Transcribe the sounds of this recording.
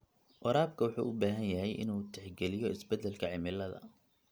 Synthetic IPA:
ʔɔɾaːb̚kʰɐwʊħṵːʔʊbaːɦɐnjɐɦɛjʔɪ̰nuːt̪ʰɛħɡɛlɪjɔɪsbɛd̪ɛlkʰɐʕɪmɪlːɐðɐ̰

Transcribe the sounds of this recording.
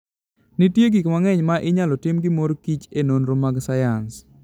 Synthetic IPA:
nitjeɡikmaŋɛɲmaʔɪɲalɔtɪmɡɪmoɾkit͡ʃenonɾomaɡsajans

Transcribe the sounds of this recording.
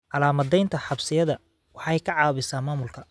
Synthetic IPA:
ʕɑlaːmɐðɛjnt̪ʰɐħɑbsɪjɐðɐ | wɑħɛjkʰɐʕɑːβɪsaːnmaːmʊlkʰɐ

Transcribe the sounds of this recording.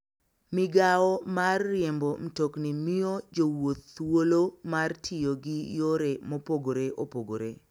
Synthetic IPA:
mɪɡaɔmarːjembom̩toknimiod͡ʒowot̪ːwolomartʰɪjoɡɪjoɾemopoɡoɾeʔopoɡoɾe

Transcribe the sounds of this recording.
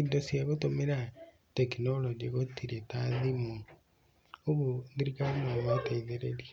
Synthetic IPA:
idosjaβotomeɾa | tekinolod͡ʒiɣotiɾetaðimu | oβuðiɾikainomataiðeɾeɾi

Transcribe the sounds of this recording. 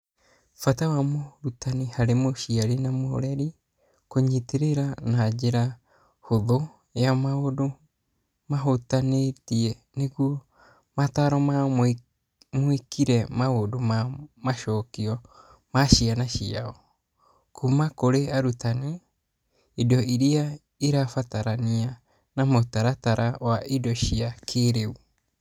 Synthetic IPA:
fatawamoɾutanehaɾemoʃiaɾenamoo̰ɾɛɾi | koɲiteɾeɾanad͡ʒeɾa | hoðo | jamaodo | maɦotanetiɛ | neɣwo | mataɾɔma | moikiɾɛmaodomamaʃɔkiɔ | maʃianaʃiaɔ | kʰumakoɾeaɾutane | idɔiɾia | iɾafataɾania | namotaɾataɾawaʔidɔʃiakʰeɾeu

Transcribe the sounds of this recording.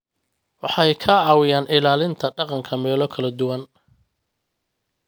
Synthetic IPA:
wɑħɑjkʰɐʕɑːwɪjaːnɪlaːlɪnt̪ʰɐɖɑqɑŋkʰɐmɛːlɔkʰɐlɐd̪ʊwɐn

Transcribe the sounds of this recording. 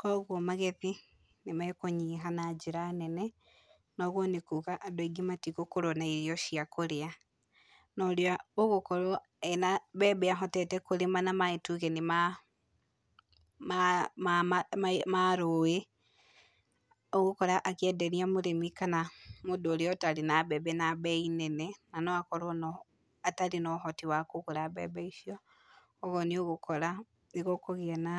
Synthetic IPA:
kɔɣwɔmaɣɛði | nemaɛkoɲiːɦanad͡ʒiɾanɛnɛ | nɔɣwɔnekukaʔːdoiɡematikokoɾɔnaiɾiɔʃiakoɾea | nɔɾeaoɣokɔɾɔ | ɛnaβɛːbɛaɦɔtɛtɛkoɾemanamaetuɣɛnema | maa | maɾoe | oɣokɔɾaʔakiɛdɛɾiamoɾemikanamodoɾeɔtaɾenabɛbɛnabɛinɛnɛnanɔakɔɾɔnɔ | ataɾenɔɦɔtiwakokoɾabɛ̰bɛisiɔ | ɔɣɔnioɣokɔɾa | neɣokɔɣeana

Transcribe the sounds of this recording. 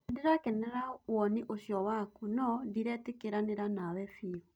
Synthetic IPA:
deɾakɛnɛɾawɔniʔoɕjɔwakunɔdiɾɛtekeɾaneɾanawɛfiɔ

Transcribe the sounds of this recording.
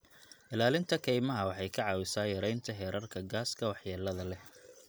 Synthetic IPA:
ʔɪlaːlɪnt̪ʰɐkʰɛjmɐɦɐwɑħɑjkʰɐʕɑːwɪsaːjɐɾɛjnt̪ʰɐɦɛːɾɐrkʰɐɡaːskʰɐwɑħjaːlɐðɐlɛ

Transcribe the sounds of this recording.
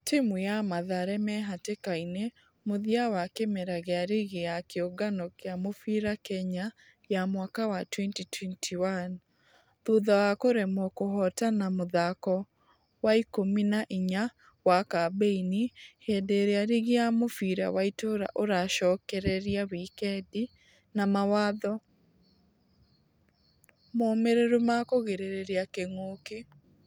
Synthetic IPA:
timujamaðaɾɛmɛɦatekaine | moðiawakemɛɾaɣeaɾiɣejakeoɡanɔkeamofiɾakɛɲa | jamwakawatwɛntitʰwɛntʰiwan | ðuðawakoɾemɔkoɦɔtanamoðakɔ | waikominaʔiɲa | wakabeinihedeɾeaɾiɣiamofiɾa̰waitoːɾa̰ʔoɾaʃɔːkɛɾɛɾiawikɛdi | namawaːðɔ | moːmeɾeɾomakoɣeɾeɾeɾeakeŋoke

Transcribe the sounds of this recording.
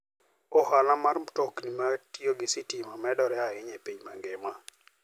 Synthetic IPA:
ɔhanamaɾmtɔknimatioɡɪsitimamɛdɔɾɛaɪɲepiɲma̰ŋɡema

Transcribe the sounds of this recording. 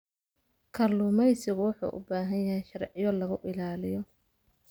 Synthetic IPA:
kʰɐrlʊːmɛjsɪɣʊwʊħṵːʔʊ̰baːɦɐnjɐhɛjʃɐrʕɪjɔlɐɣʊʔɪlaːlɪjɔ

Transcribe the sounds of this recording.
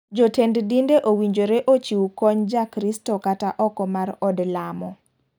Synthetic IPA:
d͡ʒotenddindeʔowiɲd͡ʒoɾeʔot͡ʃiwukɔɲd͡ʒakɾistɔkataʔɔkɔmaɾɔdlamɔ

